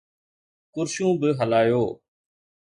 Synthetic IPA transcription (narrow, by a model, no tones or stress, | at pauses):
kʊɾʃũːbɪɦəlaːjoː